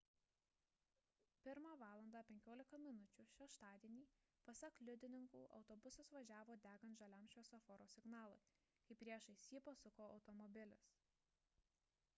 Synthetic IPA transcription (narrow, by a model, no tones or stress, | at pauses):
pʲɪɾmɑʋɑːlˠɐnd̪ɑːpʲɛŋʲkʲoːlʲɪkɐmʲɪnʊt͡ʃʲʊʃʲɛʃt̪ɑːd̪ʲiɛnʲiː | pɐsʲɛklʲʊd̪ʲɪnʲɪŋkuːʔɒ̰ʊt̪ɔbʊsɐsʋɐʒʲæːʋoːd̪ʲæːɡɐnt̪ʒɐlʲɐmʃʲoːsɐfɔɾoːsʲɪɡnɑːlˠoɪ | kɐɪpɾʲiɛʃɐɪsʲiːpɐsʊkoːɒʊt̪ɔmɔbʲɪlʲɪs